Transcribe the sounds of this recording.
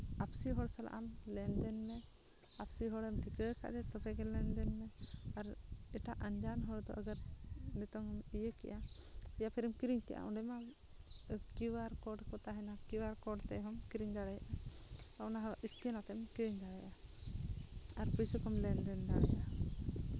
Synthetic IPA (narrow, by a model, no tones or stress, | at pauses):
apsiɦɔɽsala̰ʔamlɛnd̪ɛnːɛ | apsiɦɔɽɛmʈikəka̰ʔd͡ʒ̪ɛt̪ɔpɛɡɛlɛnd̪ɛnːɛaɾɛʈaʔənd͡ʒanɦɔɽd̪ɔʔəɡaɾmɛt̪ɔŋmijekɛʔaijapʰɛɾimkiɾiɲt̪ɛ̰jʔa̰ʔɔɖɛma | kiwaɾkɔɖkɔt̪aɦɛnakiwaɾkɔɖt̪ɛɦɔmkiɾiɲd̪aɽajaʔa | ɔnaɦɔʔist̪iɛnat̪ɛmkiɾiɲd̪aɽaja | aɾpisɔkɔmlɛnd̪ɛnd̪aɽaja